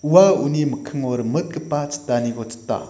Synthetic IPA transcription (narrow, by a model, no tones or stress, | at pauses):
uwauniməkʰɯŋoɾəmət̪̚kəpːat͡sə̥tːaniɡɔt͡sə̥t̪ːa̰